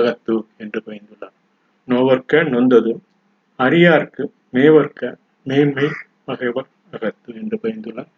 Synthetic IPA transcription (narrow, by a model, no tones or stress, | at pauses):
ɐɣɐt̪ːɯɛndrɯpɐjɪnd̪ɯlːa | noʋɐɾkɐnɔnd̪ɐðɯ | ɐɾɪjaːɾkɯ | meːʋɐɾkɐ | meːmɐɪ | pɐɣɐɪʋɐɾ | ɐɣɐt̪ːɯɛndrɯpɐɐnd̪ɯlːaː